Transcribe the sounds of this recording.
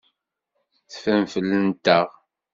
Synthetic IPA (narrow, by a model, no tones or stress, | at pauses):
θfəmfəlːənt̪əʁ